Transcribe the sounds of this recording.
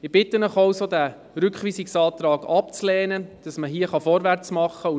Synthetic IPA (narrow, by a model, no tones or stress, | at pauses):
ɪb̥ɪt̪ːənəχawsod̪æ | ɾʏkχʋiːsiksɑːt̪ɾɑːɡɑpt͡slɛːnəd̥ɑsməɦiəχɑfɔɾʋæɾt͡smɑχːəu